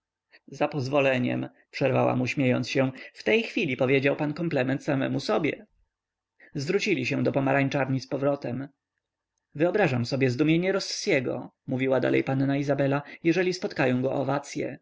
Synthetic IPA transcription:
zapɔzvɔlɛɲɛ̰m | pʂɛɾvawa̰muɕmʲjejɔ̰nt̪sɕɛft̪ɛjxfʲilʲipɔvʲjed͡ʑawpankɔmplɛmɛnt̪samɛ̰musɔbʲjɛ̰ | zvɾut͡ɕilʲiɕɛ̃d̪ɔpɔmaɾaɲt͡ʂaɾɲispɔvɾɔt̪ɛm | vɘɔbɾaʐamsɔbʲjɛzd̪umʲjeɲɛɾɔsːjɛɡɔ̰ | muvʲiwad̪a̰lʔɛ̰jpanːaizabɛlajɛʐɛlʲispɔt̪kajɔ̃w̃ɡɔʔɔvat̪sʲjɛ̰

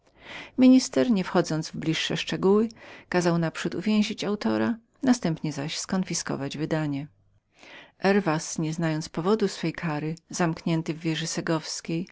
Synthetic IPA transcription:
mʲiɲist̪ɛɾɲɛfxɔd̪zɔnd̪zvblʲiʂːɛ̰ʂt͡ʂɛɡuwɘkazawnapʂut̪ṵvʲjɛ̃w̃ʑit͡ɕawt̪ɔɾa | nast̪ɛmpɲɛzaɕskɔnfʲiskɔ̰vad͡ʑvɘd̪aɲɛ | ʔɛɾvasɲɛznajɔnt̪spɔvɔd̪usfɛjkʰaɾɘzamkɲɛnt̪ɘvːʲjɛʐɘsɛɡɔfskʲej

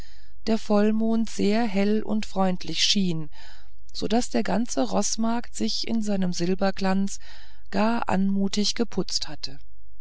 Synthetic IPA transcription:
d̥eːɐfɔlmoːntz̥eːɐɦɛlʊ̰ntfʁ̥ɔʏntʰlɪçʃiːn | z̥oːdasd̥eːɐɡant͡səʁɔsmaɐktz̥ɪçɪ̰nzaɪnəmzɪlbɐɡlant͡s | ɡ̥aːɐʔa̰nmuːtɪçɡ̥əpʰʊt͡sthatə

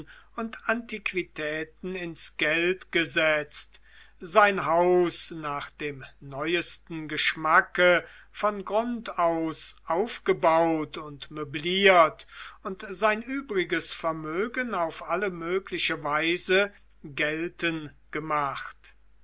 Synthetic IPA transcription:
ʊntʰantikv̥itʰɛːtn̩ɪnsɡ̥ɛltɡ̥əzɛt͡st | z̥aɪnɦaʊsnaːχd̥eːmnɔʏəstn̩ɡəʃmakəfɔnɡʁʊntaʊsʔaʊfɡ̥əbaʊtʊntmøbliːɐtʊntzaɪnʔyːbʁɪɡəsfɛɐmøːɡənaʊfʔaləmøːklɪʃəvaɪzə | ɡɛltənɡ̥əmaχt

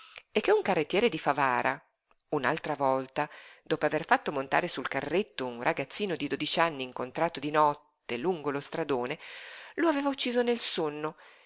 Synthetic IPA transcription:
ekːeuŋkarːet̪ːjɛːɾed̪ifavaːɾʔa̰ | una̰lt̪ɾavɔlt̪ad̪ɔːpoaverfat̪ːomont̪a̰ːɾesulkarːet̪ːounrʔaɡat̪sːiːnod̪id̪oːd̪it͡ʃanːiːŋkont̪ɾaːt̪od̪inɔt̪ːeluŋɡolost̪ɾad̪oːneloaveːvaut͡ʃːiːzonelsonːo

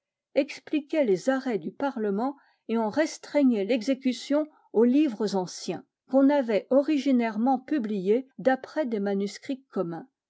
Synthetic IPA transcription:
ɛksplikʲɛlezaʁɛd̪ypaʁləmɑ̃ | eɑ̃ʁɛ̃st̪χɛɲɛlɛɡzekʲysjɔ̃ | olivʁəzɑ̃sjɛ̃ | kɔ̃navɛɔʁiʒinɛʁmɑ̃pyblijed̪apχɛd̪emanyskχikːɔmɛ̃

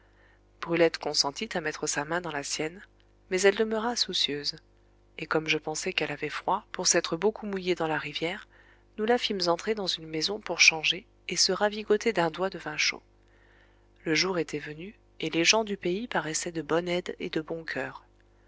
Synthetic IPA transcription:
b̥ʁylɛt̪kɔ̃sɑ̃t̪it̪amɛt̪χəsamɛ̃d̪ɑ̃lasjɛn | mɛzɛld̪əmøʁasusjøz | ekɔmʒəpɑ̃sɛkɛlavɛfχwapuʁsɛt̪χəbokʰumujed̪ɑ̃laʁivjɛːʁ | nulafimzɑ̃t̪χed̪ɑ̃zynmezɔ̃puʁʃɑ̃ʒe | esəʁaviɡot̪ʰed̪ɛ̃d̪wad̪əvɛ̃ʃo̰ | ləʒuʁet̪ʰɛvəny | eleʒɑ̃d̪ypeipaʁɛsɛd̪əbɔnɛd̪ḛd̪əbɔ̃kʲʰœːʁ

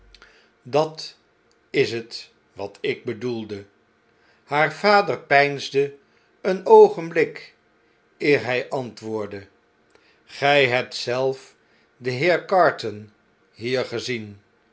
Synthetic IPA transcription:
dɑt | ɪsət | ʋɑtʰɪɡ̚bədulˠdə | haːɹv̥aːdəɹpɛjnzdə | ənowχənblɪk | ɪːɹɦɛjʔɑntʋʊːɹdə | χɛjɦɛp̚tsɛlˠf | dəɦɪːɹkɑɹtən | ɦiːɹχəzin

